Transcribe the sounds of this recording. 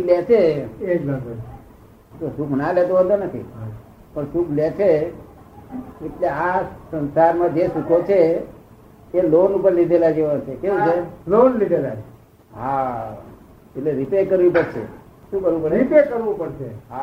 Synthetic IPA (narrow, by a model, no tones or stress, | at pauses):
klet͡ʃʰeekləd̪ | t̪osukʰnalet̪oɦəd̪onət̪ʰḭ | pəɳsukʰlet͡ʃʰe | eʈleãsə̃nsaɾmãd͡ʒesukʰot͡ʃʰe | lonupəɾlid̪ʱelad͡ʒeʋat͡ʃʰekeũd͡ʒalonlid̪ʱelat͡ʃe | ɦa | eʈleɾipekəɾʋipəɽʃʰḛ | ʃũkəɾʋũpəɾipekəɾʋũpəɽʃeɦa